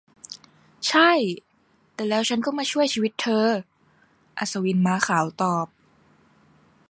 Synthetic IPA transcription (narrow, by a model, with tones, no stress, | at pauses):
t͡ɕʰa˥˩j | t̪ɛː˨˩lɛː˦˥wt͡ɕʰa˦˥nkɔː˥˩maː˧t͡ɕʰu˥˩əjt͡ɕʰiː˧wi˦˥t̪ʰːɤː˧ | ʔa˧˩sa˧wi˧˥nmaː˧˥xʰaː˩˦wt̪ɔː˨˩p̚